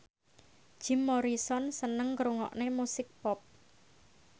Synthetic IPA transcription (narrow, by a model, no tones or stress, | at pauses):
d̥ʒ̥i̤mːɔɾisɔnsənəŋkɾuŋɔ̰ʔnemusɪk̚pɔp̚